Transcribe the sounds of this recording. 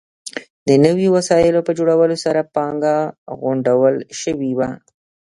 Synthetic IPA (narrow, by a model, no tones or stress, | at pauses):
d̪̥ənəwiwasɑjɪlopəd͡ʒoɽawəlosaɾapɑŋɡaɣʊɳɖawəlʃəwiwa